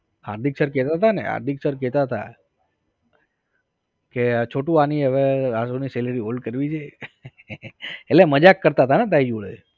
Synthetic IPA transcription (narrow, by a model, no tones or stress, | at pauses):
ha̰ɾd̪ʱiksəɾkɛt̪at̪anḛɦa̰ɾd̪ʱiksəɾk̬ɛt̪at̪a̰ | ket͡ʃʰoʈũaniəʋeɾasuniseləɾiɦolɖkəɾʋid͡ʒe | eleməd͡ʒakːəɾt̪at̪ʰanet̪̬aid͡ʒuɭə̰